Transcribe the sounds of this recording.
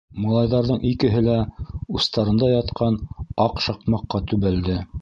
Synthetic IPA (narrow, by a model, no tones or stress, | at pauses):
mŏlˠɑjðɑɾðɤɴʔikɘ̆ɦɘlæust̪ɑɾɤ̆nd̪ɑjɑt̪qɑnɑqʃɑqmɑqːɑt̪ʉβæld̪ɘ